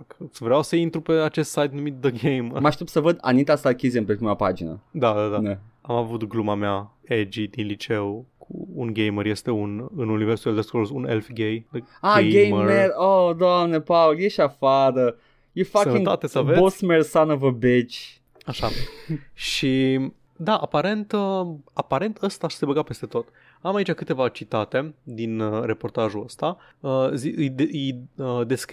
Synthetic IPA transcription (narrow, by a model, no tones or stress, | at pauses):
kɨsvɾeawsəint̪ɾupe̞at͡ʃe̞st̪sajt̪numit̪̚d̪əɡejmmaʃt̪epsəvəd̪a̰nit̪asakʲiziempepɾimapa̰d͡ʒinə̰d̪ad̪ad̪aneamavut̪ɡlumameaed͡ʒid̪inlit͡ʃewkʰṵːnɡejməɾje̞st̪e̞unɨnuniveɾsueld̪eskolsunḛlfɡejaeɡejmmɾeɾod̪oamnepaoljeʃafad̪ə | jefak̪ĩŋt̪at̪esəvebosmeɾsanovəbet͡ʃ | aʃa | ʃi | d̪aʔapaɾe̞nt̪əapaɾe̞nt̪ʰəst̪aʃsebəɡape̞st̪e̞t̪o̞t̪ | amait͡ʃakɨt̪e̞vat͡ʃit̪at̪e̞d̪inre̞po̞rt̪aʒuəst̪a | əzid̪jəd̪e̞sk